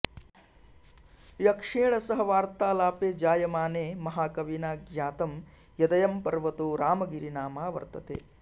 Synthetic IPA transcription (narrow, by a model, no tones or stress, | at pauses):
jɐkʂiːɳɐsɐɦɐʋaːɾt̪aːlaːpeːd͡ʒaːjɐmaːneːmɐɦaːkɐʋinaːɡjaːt̪ɐm | jɐd̪ɐjɐmpɐɾʋɐt̪uɾaːmɐɡiɾinaːmaːʋɐ̰ɾt̪ɐt̪ḛː